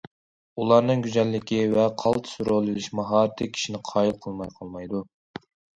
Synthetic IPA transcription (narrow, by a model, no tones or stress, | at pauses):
ulˠɑɾnɨŋɡʲyzɛlːɪkʲʰivɛqʰɑlˠt̪ʰsuɾolˠɨlɪʃmɑɦɑːɾɨt̪ʰɨkʲʰi̥ʃinɪqʰɑːjilˠqʰəlˠmɑjqʰɑlˠmɑjd̪u